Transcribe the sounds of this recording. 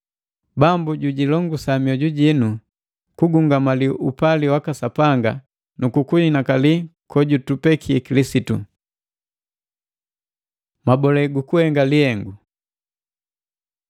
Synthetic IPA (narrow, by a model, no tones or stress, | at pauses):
bambuɟuɟilɔŋɡusamiɔɟuɟinu | kuɡuŋɡamaliʔupaliwakasapaŋɡa | nukukuinakalikɔɟutupɛkʰiɛkilisitṵ | mabɔlɛɡukuhɛŋɡalihɛŋɡu